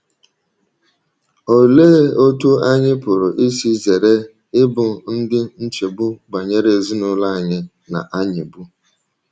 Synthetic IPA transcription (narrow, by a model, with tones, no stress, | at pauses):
o˨leː˦o˦tu˦a˦ɲɪ˦pʊ˨ɾʊ˨ʔɪ˦si˦ze˨ɾe˦ | ɪ˦bʊ˨n̩˦dɪ˦n̩˦t͡ʃe˨bʊ˦ɡ͡ba˨ɲe˦ɾe˦˨zi˦nʊ˦la˦a˨ɲɪ˦ | na̰˨ʔa˦ɲɪ˨bu˦